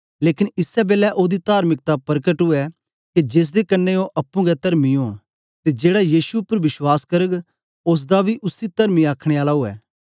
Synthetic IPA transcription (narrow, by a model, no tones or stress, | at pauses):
leːkɪnɪsɛbeːlɛʔoːd̪it̪aːɾmɪk̚t̪apɐɾkəʈɦʊɛ | ked͡ʒeːs̬d̪ekɐnːeoʔɐpːũɡɛt̪ɐɾmiõː | t̪ed͡ʒeːɽajiːsuʊpːəɾʋɪʃwaːskɐɾəɡ | oːs̬d̪abʱiʔʊsit̪ɐɾmiaːkʰɽ̃eaːlaoɛ̰ː